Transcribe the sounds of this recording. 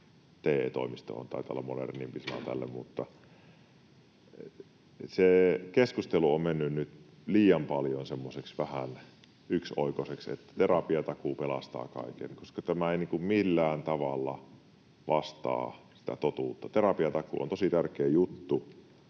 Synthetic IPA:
t̪eːt̪o̰ˑimist̪o̰o̰nt̪ɑ̰ˑit̪ɑ̰lːɑmonḛrnimpisɑnɑ̰t̪æ̰lːḛmmut̪ːɑ | sekeskust̪eluommenːynnyt̪ | liːjɑmpɑljonsemːoseksʋæhæn | yksoˑikoseksḛt̪ːæ̥t̪erɑpiɑt̪ɑkupelɑst̪ɑ̰ːkɑ̰ˑikḛnkoskɑt̪æmæeˑiniːŋkummilːæːnt̪ɑʋɑlːɑ̰ | ʋɑst̪ɑ̰ːsi̥t̪æ̰t̪ot̪uːt̪ːɑt̪erɑpiɑt̪ɑkṵʔo̰nt̪osit̪ærkeːjut̪ːu

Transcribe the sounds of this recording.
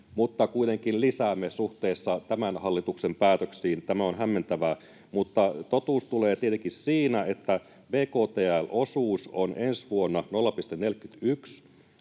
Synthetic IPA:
mut̪ːɑkuit̪eŋkillisæːmːesuht̪eːsːɑt̪æmænhɑlːit̪uksempæːt̪øksiːnt̪æmæonɦæmːe̞nt̪æʋæ | mut̪ːɑt̪ot̪uːst̪uleːt̪iet̪eŋkissiːnæet̪ːæ | ʋeːkoːt̪eːælʔosuːsonensʋuonːɑnolːɑpist̪enelkːyt̪yks

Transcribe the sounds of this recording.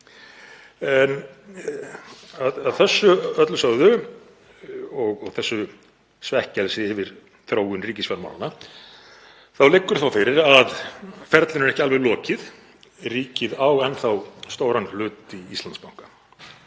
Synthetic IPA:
ɛn | aðaðθɛsːʏœt̪lsaːwðʏ | ɔɣɔɣθɛsːʏ | svɛhcɛlsɪɪːvɪɾ̥ | θɾoːwʏnriːcɪsvɛma̰wlanːa | θawlɪkːʏɾ̥θawfɪɾɪɾaðfɛɾt̪lɪnɪɾɛhcɪalvɛɣlɔːcɪð | riːcɪðawɛnθawst̪oːwɾanhlʏːt̪iist̪lanspawŋ̥kḁ

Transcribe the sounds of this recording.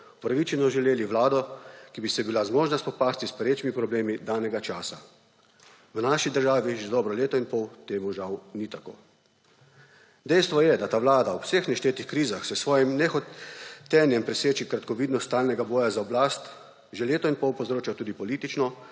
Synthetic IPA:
upɾaʋit͡ʃɛnɔʒɛleːliʋlaːd̪ɔkibisɛbilazmɔːʒnaspɔpaːst̪ispɛɾeːt͡ʃmipɾɔbleːmid̪aːnɛɡat͡ʃaːsa | wnaːʃid̪əɾʒaːʋiʒɛd̪ɔːbɾɔleːt̪ɔinpɔwt̪eːmuʒawnit̪ako̰ː | d̪ɛjst̪ʋɔjɛd̪at̪aːʋlaːd̪ausexnɛʃt̪eːt̪ixkɾiːzaxsɛsʋɔːjɛmnɛxɔt̪ːɛnjɛmpɾɛseːt͡ʃikɾat̪kɔʋiːd̪nɔst̪t̪aːlnɛɡabɔːjazaɔblast̪ | ʒeleːt̪ɔinpɔwpɔwzɾoːt͡ʃat̪uːd̪ipɔliːt̪it͡ʃnɔ

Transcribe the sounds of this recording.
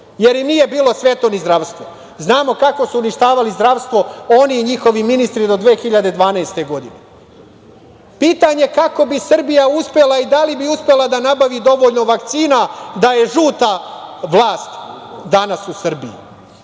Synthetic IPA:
je̞ɾimnije̞biːlˠo̞sʋe̞t̪o̞nizd̪ɾaʋst̪ʋo̞ | znaːmo̞kako̞suːniʃt̪aːʋalizd̪ɾaʋst̪ʋo̞o̞niːɲixo̞ʋiminist̪ɾid̪o̞d̪ʋeːxiʎad̪e̞d̪ʋaːnaest̪e̞ɡo̞d̪ine | piːt̪aɲe̞kako̞bisr̩bijauspe̞laid̪alibiuspe̞lˠad̪anabaʋid̪o̞ʋoʎno̞ʋakt̪siːnad̪aje̞ʒuːt̪aʋlˠaːst̪d̪anasusr̩bḭjḭ

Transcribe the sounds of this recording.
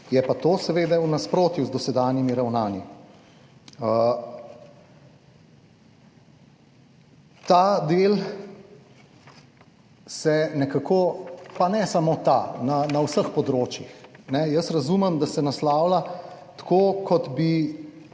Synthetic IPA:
jɛpat̪oːsɛʋeːd̪ɛwnaspɾoːt̪juzd̪ɔsɛd̪aːnjimiɾawnaːni | ə | t̪ad̪eːl | sɛnɛkakʰopanɛsamot̪a̰nanawsəxpɔd̪ɾoːt͡ʃjixnɛjəsɾɐzumɛmd̪asɛnaslaːwla | t̪kokʰɔt̪bi

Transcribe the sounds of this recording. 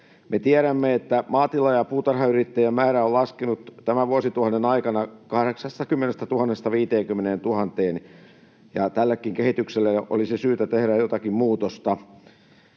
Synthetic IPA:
met̪iæɾæmːeet̪ːæmɑːt̪ilɑjɑpuːt̪ɑrhɑyrit̪ːæjæmmæːɾæollɑskenut̪t̪æmæʋuosit̪uhɑnːenɑikɑnɑkɑhɾeksɑst̪ɑkymːenest̪æt̪uhɑnːest̪ɑʋiːt̪eːŋkymːeneːnt̪uhɑnt̪eːn | jɑt̪ælːekːiŋkehit̪ykselːæʔo̰lisisyːt̪æt̪ehɾæjjot̪ɑkimmuːt̪ost̪ɑ

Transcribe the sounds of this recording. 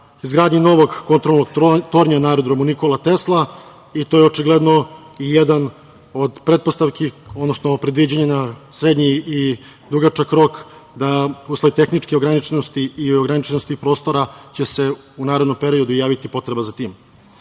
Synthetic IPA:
izɡɾaːd̪ɲino̞ʋo̞ɡːo̞nt̪ɾolnoɡt̪o̞ɾɲanaːɾod̪ɾomunikolˠat̪e̞slˠa | it̪ojeot͡ʃiɡle̞d̪no̞ijed̪an | od̪pɾet̪̚post̪aʋkio̞d̪no̞snopɾe̞d̪ʋid͡ʑaɲenasɾe̞d̪ɲiː | d̪uɡat͡ʃakɾo̞kd̪auslˠait̪e̞xnit͡ʃkeoɡɾanit͡ʃenost̪iioɡɾanit͡ʃenost̪ipɾo̞ːst̪o̞ɾat͡ɕe̞se̞ | unaːɾed̪no̞mpeɾio̞d̪ujaːʋit̪ipo̞t̪ɾe̞bazat̪iːm

